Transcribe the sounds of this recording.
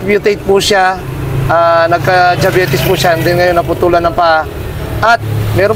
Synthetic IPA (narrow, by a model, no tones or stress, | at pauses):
pjʊt̪ejt̪̚pʊʃa | ʔanɐɡ̚kɐd͡ʒɐbɛːt̪ɪspʊʃand̪ɪnŋɐjonːɐpʊt̪uːlɐnɐmpaʔa | ʔɐt̪̚mɛːɾo